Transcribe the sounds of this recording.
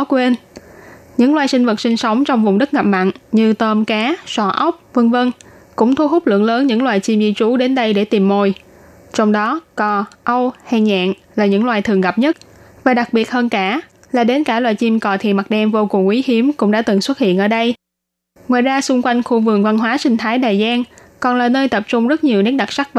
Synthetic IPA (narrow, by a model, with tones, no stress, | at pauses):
kwe˧n | ɲɨ̰˧˥ŋlwaː˨˩jsï˧ŋ̟və˨˩t̚sï˧ŋ̟sə˨˦wŋ͡mt͡ɕɔ˧wŋ͡mvʊ˨˩ŋ͡mɗɨ˦˥k̚ŋa˨˩p̚ma̰˧˨nɲɨ˧t̪əː˧mkaː˨˦sɔ˧˩ʔə˦˥wk͡p̚və˧nvə˧n | kʊ̰˧˥ŋ͡mt̪ʰu˧ɦʊ˦˥k͡p̚lɨ̰˧˨əŋləː˨˦nɲɨ̰˧˥ŋlwaː˨˩jt͡ɕi˧mzi˧t͡ɕu˨˦ɗe˨˦nɗə˧jɗe˧˩t̪i˨˩mːo˨˩j | t͡ɕɔ˧wŋ͡mɗɔ˨˦kɔ˨˩ʔə˧wha˧˩ɲa̰ː˧˨nlaː˨˩ɲɨ̰˧˥ŋlwaː˨˩jt̪ʰɨ˨˩ŋɣa˨˩p̚ɲə˦˥t̚vaː˨˩ɗa˨˩k̚ɓi˨˩ət̚həː˧nkaː˧˩ | laː˨˩ɗe˨˦nkaː˧˩lwaː˨˩jt͡ɕi˧mkɔ˨˩t̪ʰḭ˨ma˨˩ɗɛ˧mvo˧kʊ˨˩ŋʔwi˨˦hi˨˦əmkʊ̰˧˥ŋ͡mɗa̰ː˧˥t̪ɨ˨˩ŋswə˦˥t̚hḭ˧˨ənʔəː˧˩ɗə˧j | ŋwaː˨jzaː˧sʊ˧ŋ͡mkwa˧jŋ̟xu˧vɨ˨˩əŋva˧nɦwaː˨˦sï˧ŋ̟t̪ʰaː˨˦jɗaː˨˩jzaː˧n | kɔ˨˩nlaː˨˩nəː˧jt̪ə˨˩p̚t͡ɕʊ˧ŋ͡mzə˦˥t̚ɲi˨˩əwni˦˥ɗa˨˩t̚sa˦˥k̚